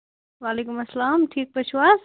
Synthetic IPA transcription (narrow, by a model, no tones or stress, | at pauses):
ʋaːleːkumɐsːlaːmʈʰiːk̚pɐʃwaːz